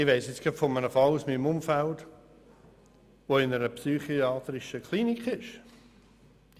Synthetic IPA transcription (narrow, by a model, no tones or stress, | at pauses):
ɪʋeɪsɪt͡sɡ̥əpfɔmənəfɑluːsmimʊmfælt | ʋoɪnəɾəpsyːχiɑːt̪ɾɪʃəkʰliːnikʰɪʃ